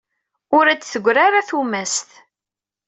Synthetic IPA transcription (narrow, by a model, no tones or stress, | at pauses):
ʊɾæt͡sːθəɡʷːɾaɾaθumæst̪